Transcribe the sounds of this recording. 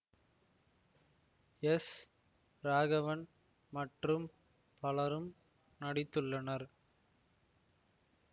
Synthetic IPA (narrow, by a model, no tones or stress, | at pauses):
ɛs | ɾaːɣɐʋɐn | mɐʈrɯm | pɐlɐɾɯm | nɐɽɪt̪ːɯɭːɐnɐɾ